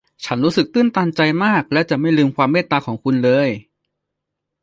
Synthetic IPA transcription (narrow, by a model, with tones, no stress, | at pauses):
t͡ɕʰa˦˥nɾuː˦˥sɯ˨˩k̚t̪ɯː˥˩nt̪aː˧nt͡ɕa˧jmaː˥˩k̚lɛ˦˥wt͡ɕa˨˩ma˥˩jlɯː˧mkʰwaː˧mːeː˥˩t̪ːaː˧kʰɔː˩˦ŋkʰu˧nlɤː˧j